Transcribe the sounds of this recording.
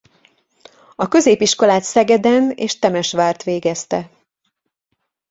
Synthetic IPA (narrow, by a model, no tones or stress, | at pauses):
ɒkø̞zeːpiʃko̞laːt̪sɛɡɛd̪ɛnḛːʃt̪ɛmɛʃʋaːrt̪ʋeːɡɛst̪ɛ